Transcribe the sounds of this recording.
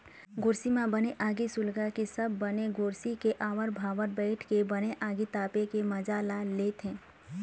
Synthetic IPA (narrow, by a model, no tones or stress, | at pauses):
ɡoːɾsimãbəneʔaːɡisʊlɡakesəbʱːəneɡoːɾsikeʔaːʋəɾbʱaːʋənbɛɪʈʰkebəneʔaːɡit̪aːpekeməd͡ʒaːlaleːt̪ɦẽː